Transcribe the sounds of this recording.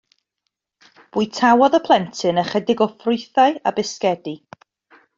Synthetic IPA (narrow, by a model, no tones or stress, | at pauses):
b̥uɨtʰawɔðəpʰlˠɛntʰɨnəχɛdɪɡɔfrʊɨθaɨa̰bɪskɛdi